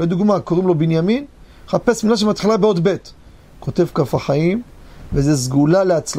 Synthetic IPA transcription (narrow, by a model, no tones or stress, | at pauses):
ed̪uɡmakoʁimlo̞binjamin | χape̞smilaʃ̬emat̪χilabeo̞d̪be̞t | ko̞t̪e̞vkafaχaimvezezɡulaleat͡sl